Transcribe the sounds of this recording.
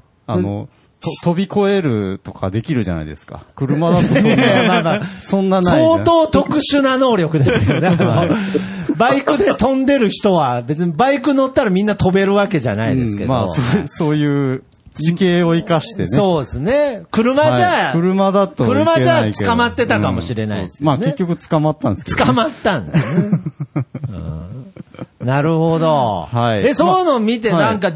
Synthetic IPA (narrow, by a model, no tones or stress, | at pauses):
ano̰ | t̪ot̪o̞bʲiko̞e̞ɾɯ̟̰t̪o̞kʰad̪e̞kʲiɾɯ̟ʑa̰na̰ḭd̪e̞sɨ̥ka̰kɯ̟ɾɯ̟mad̪at̪ːamaːmasõ̞nːansaoiːt̪o̞ːt̪o̞kɯ̟ɕɨnano̞ːɾʲjo̞kɯ̟d̪e̞sɨkeoneaano | baikɯ̟d̪e̞t̪õ̞nd̪e̞ɾɯ̟çi̥t̪o̞βabe̞t͡sɨɲ̟ibaikɯ̟nːo̞t̪ːaɾamʲĩnːat̪o̞be̞ɾɯ̟βake̞ʑa̰na̰id̪esɨ̥ke̞dmao̰soːso̞ːjɯː | t͡ɕikeːoikaɕi̥t̪e̞nsoːdesɨne̞kɯ̟ɾɯ̟mad͡ʑakɯɾɯ̟mad̪at̪ːakɯɾɯmad͡ʑat͡sɨ̥kamat̪ːe̞t̪akamo̞ɕiɾe̞na̰id̪esɨmankeekʲːo̞kɯ̟t͡sɨ̥kamat̪ːãnd̪st͡sɨ̥kamat̪ːãnd̪esne | ɯ̰̃ː | naɾɯ̟ho̞d̪o̞haiesojnomʲit̪enãŋka